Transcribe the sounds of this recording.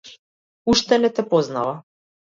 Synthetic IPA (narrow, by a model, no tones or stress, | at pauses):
uʃt̪ɛnɛt̪ɛpɔzna̰va